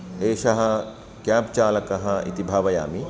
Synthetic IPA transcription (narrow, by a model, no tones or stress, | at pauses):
eːʃɐɦɐ̆ | kaːp̚t͡ʃaːlɐkɐɦɐḭt̪ibʱaːʋɐja̰ːmi